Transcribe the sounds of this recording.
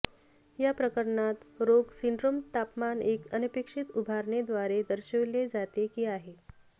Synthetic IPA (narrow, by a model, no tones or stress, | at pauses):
japɾəkəɾɳat̪ɾoɡsiɳɖɾomt̪apmanekənipikʂit̪ubʱaɾɳed̪ʋaɾed̪əɾɕəʋled͡zat̪ekiːaɦe